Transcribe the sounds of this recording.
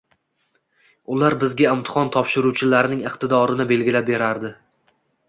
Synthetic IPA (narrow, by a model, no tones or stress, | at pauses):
ʊlaɾbɪzɡʲaɪmt̪ʰɪ̥χɒnt̪ʰɒpʃɪɾuwt͡ʃʰɪlaɾɪnɪŋɨqt̪ʰɪd̪ɒɾɪnɪbe̞lɡʲɪlap̚be̞ɾaɾd̪ɪ